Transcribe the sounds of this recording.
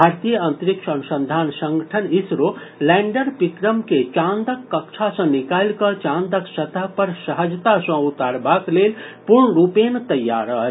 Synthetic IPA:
bʱaɾt̪ijəənt̪ɾikʃənusə̃nd̪ʱansə̃ŋɡəʈʰənisɾolɛɳɖəɾpikɾəmket͡ʃãnd̪əkːəkt͡ʃʰasə̃nikajlkət͡ʃãnd̪əksət̪əɦpəɾsəɦəd͡ʒt̪asə̃ut̪aɾbaklelpuɾɳɾupent̪əjːa̰ɾə

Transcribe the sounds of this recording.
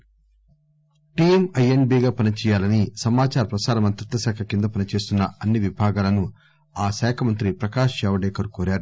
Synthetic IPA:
ʈiːmɐjenbiːɡaːpɐnit͡ʃɛːjaːlɐnisɐmaːt͡ʃaːɾpɾɐsaːɾɐmɐnt̪ɐt̪ːɐsaːkʰɐkind̪ɐpɐnit͡ʃeːst̪unːɐɐnːiʋibʱaːɡaːlɐnu | aːʃaːkʰɐmɐnt̪ɾipɾɐkaːʂjaːʋɐɖeːkɐɾkoːɾaːɾu

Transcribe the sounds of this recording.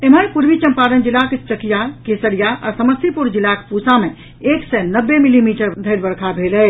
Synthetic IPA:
em̤əjpuɾbit͡ʃəmpaɾənd͡ʒilaket͡ʃəkijakesəɾijaʔasəməst̪ipuɾd͡ʒilakepusame | eksɛnəbːemilimiʈəɾd̪ʱəjɾbəɾkʰabʱelɛ

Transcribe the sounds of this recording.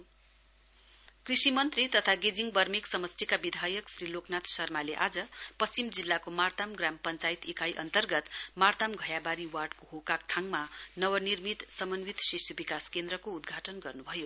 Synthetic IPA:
krisimʌnt̪rit̪ʌt̪ʰaɡed͡ziŋɡbʌrmiksʌmʌst̪ʰikabid̪ʱajʌksɾiloknat̪sʌrmaleʔad͡zʌpʌst͡simd͡zilːakomart̪amɡrampʌnt͡sajt̪ekajʔʌ̰nt̪ʌrɡʌt̪mart̪amɡʱʌjabaɾiwarɖkoɦokak̚t̪ʰaŋmanʌwʌnirmit̪sʌmʌnwit̪sisjubikaskend̪ɾʌkoud̪ɡʱaʈʌnɡʌrnubʱʌjo

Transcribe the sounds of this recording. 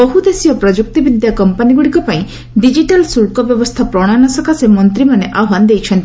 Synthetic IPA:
ɔɦud̪esijɔpɾɔd͡ʒuk̚t̪ibid̪jakɔmpaniɡuɽikɔpaĩ | ɖid͡ʒiʈalsuɭkɔbjɔbɔst̪ʰapɾɔɽ̃anɔsɔkasemɔnt̪ɾimaneʔaɦand̪ejt͡ʃʰɔnt̪i

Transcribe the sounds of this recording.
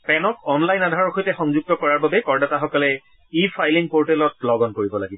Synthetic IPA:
pɛnɔkɔnlajnadʱaɹɔxojtɛxɔŋzuɡ̚tɔkɔɹaɹbabɛkɔɹdataxɔkɔlɛ | ipʰajliŋpoɹtɛlɔt̚lɔɡɔnkoɹibɔlaɡibɔ

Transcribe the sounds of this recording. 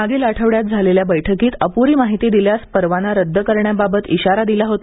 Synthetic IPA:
aɡiːlaʈʰəʋɽjat̪̚d͡zʱaleljabəjʈʰəkiːt̪əpuɾiːmaɦit̪iːd̪iljaspəɾʋanaɾəd̪ʱːəkəɾɳjababət̪iɕaɾad̪ilaɦot̪

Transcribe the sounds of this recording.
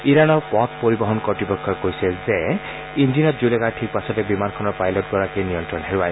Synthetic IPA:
iɹanɔɹpɔt̪̚poɹibɔɦɔnkɔtipɔkʰːɔkojsɛze | indinɔtzulɛɡaɹʈʰik̚pasɔtɛbimankʰɔnɔɹpajlɔtɡɔɹakiniɔntɹɔnɦeɹuaj

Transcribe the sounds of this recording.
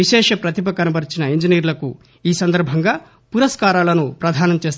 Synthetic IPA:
iʃɛːʂɐpɾɐt̪ipɐkɐnɐbɐɾt͡ʃinɐiɲd͡ʒiniːɾulɐku | iːsɐnd̪ɐɾbʱɐŋɡaː | puɾɐskaːɾaːlɐnupɾɐd̪ʱaːnɐmt͡ʃeːst̪

